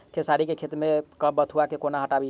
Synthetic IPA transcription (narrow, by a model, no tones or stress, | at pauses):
kʰesaɾikekʰet̪mekəbbət̪ʰuakekonaɦəʈabi